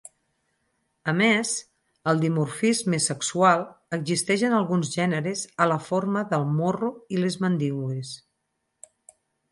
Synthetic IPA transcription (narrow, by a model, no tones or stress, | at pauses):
əmez | əlˠd̪imurfizmesəksualˠəɡzist̪ɛʃənəlˠɣunzʒɛnəɾezələfoɾməðəlˠmoruilezmənd̪iɣwes